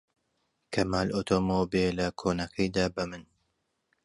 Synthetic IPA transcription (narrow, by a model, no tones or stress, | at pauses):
kʰɐmaːlʔot̪ʰoːmobelɐkʰoːnɐkʰɐjd̪aːbɐmɨn